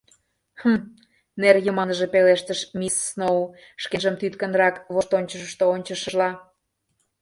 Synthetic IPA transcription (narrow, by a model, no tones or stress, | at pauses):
hə | nerjəmɑnəʒe̽peleʃt̪əʃmisːnou | ʃkenʒəmt̪yt̪kə̆nrɑkβoʃt̪onʲt͡ɕəʃt̪oonʲt͡ɕəʃəʒlɑ